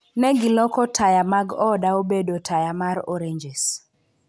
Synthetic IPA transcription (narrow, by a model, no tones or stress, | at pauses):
nɛɡɪlɔkɔtʰajamaɡɔdaobedotʰajamaɾɔɾeɲd͡ʒɛs